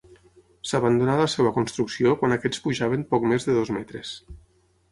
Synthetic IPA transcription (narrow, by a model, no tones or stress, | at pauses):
saβand̪unaləseβəkunst̪ɾuksiokwanakɛspuʒaβ̞əmpɔkmezðəðozmɛt̪ɾḛs